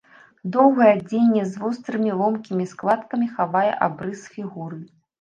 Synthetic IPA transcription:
d̪ɔwɣɐjɛd͡zʲenʲːɛzvust̪ɾɨmʲilˠɔmkʲimʲisklˠat̪kɐmʲixavajɛ̰ʔa̰bɾɨsfʲiɣuɾɨ

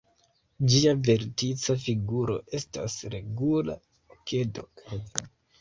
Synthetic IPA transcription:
d͡ʒiave̞ɾtit͡safiɡuɾo̞̰e̞sta̰sɾe̞ɡula | ke̞do̞̰

